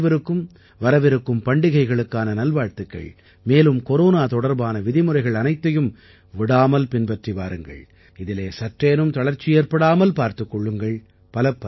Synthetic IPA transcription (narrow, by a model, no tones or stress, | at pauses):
ʋɐɾɯkːɯm | ʋɐɾɐʋɪɾɯkːɯmpɐɳɖɪɣɐɪɣɐɭɯkːaːnɐnɐlʋaːɻt̪ɯkːɐ̰ɭ | meːlɯmkɔɾoːnaːt̪ɔɽɐɾbaːnɐʋɪðɪmɯrɐɪɣɐɭɐnɐɪt̪ːɐjɯm | ʋɪɽaːmɐlpɪnpɐʈriʋaːɾɯŋɡɐ̰ɭ | ɪðɪleːsɐʈreːnɯmt̪ɐɭɐɾt͡ʃːɪjeːɾpɐɽaːmɐlpaːɾt̪ɯkːɔɭːɯŋɡɐɭ | pɐlɐpːɐ